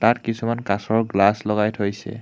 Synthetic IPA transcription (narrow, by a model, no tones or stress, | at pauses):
tatkisumankasɔɹɡlaslɔɡajtʰojsɛ̰